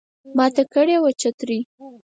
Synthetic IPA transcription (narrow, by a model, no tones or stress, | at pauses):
mɑt̪akəɽewat͡ʃat̪ɾi